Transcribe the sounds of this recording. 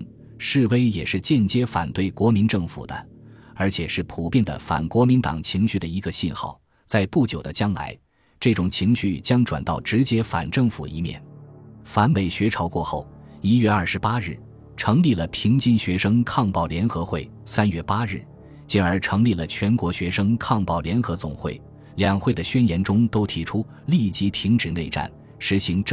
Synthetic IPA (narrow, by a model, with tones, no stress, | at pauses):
ʂɻ̩˥˩we˥ɪjɛ˨˩ʂɻ̩˥˧t͡ɕjɛ˥˩nt͡ɕjɛ˥fa̰˨˩nt̪we˥˩ɪkwɔ˧˥mi˧˥nʈ͡ʂɤ˥˩ŋfṵ˨˩d̪ə̰˦ | ə˞˧˥t͡ɕʰjɛ˨˩ʂɻ̩˥˩pʰu˨˩pjɛ˥˩nd̪ə̰˩fa̰˨˩nkwɔ˧˥mi˧˥nt̪ɑ̰˨˩ŋt͡ɕʰi˧˥ŋɕy˥˩d̪ə˩i˧˥ɡə˧ɕi˥˧nxɑ̰˥˩ʊ | t͡sa˥˧ɪpu˥˩t͡ɕjo˨˩ʊd̪ə˦t͡ɕjɑ˥ŋla̰˧˥ɪ | ʈ͡ʂɤ˥˩ʈ͡ʂʊ˨˩ŋt͡ɕʰi˧˥ŋɕy˥˩t͡ɕjɑ˥ŋʈ͡ʂwa̰˨˩nt̪ɑ˥˩ʊʈ͡ʂɻ̩˧˥t͡ɕjɛ˥fa̰˨˩nʈ͡ʂɤ˥˩ŋfṵ˨˩ḭ˧˥mjɛ̰˥˩nfa˧˥nwe˧˥ɪɕɥɛ˧˥ʈ͡ʂʰɑ˧˥ʊkwɔ˥˧xo˥˩ʊ | i˥ɥɛ˥˧ɐ˞˥˩ʂɻ̩˧˥pa˥ɻɻ̩˥˩ | ʈ͡ʂʰɤ˧˥ŋli˥˩lə˩pʰi˧˥ŋt͡ɕi˥˧nɕɥɛ˧˥ʂɤ˥ŋkʰɑ˥˧ŋpɑ˥˩ʊljɛ˧˥nxɤ˧˥xwe˥˩ɪ | sa˥nɥɛ˥˩pa˥ɻɻ̩˥˩ | t͡ɕɛ˧˥nə˞˧˥ʈ͡ʂʰɤ˧˥ŋli˥˩lə˩t͡ɕʰɥɛ˧˥nkwɔ˧˥ɕɥɛ˧˥ʂɤ˥ŋkʰɑ˥˧ŋpɑ˥˩ʊljɛ˧˥nxɤ˧˥t͡sʊ̰˨˩ŋxwe˥˩ɪ | ljɑ˨˩ŋxwe˥˩ɪd̪ə˩ɕɥɛ˥njɛ˧˥nʈ͡ʂʊ˥ŋt̪o˥ʊt̪ʰi˧˥ʈ͡ʂʰu˥ | li˥˩t͡ɕi˧˥t̪ʰi˧˥ŋʈ͡ʂɻ̩˨˩ne˥˧ɪʈ͡ʂa̰˥˩n | ʂɻ̩˧˥ɕi˧˥ŋʈ͡ʂ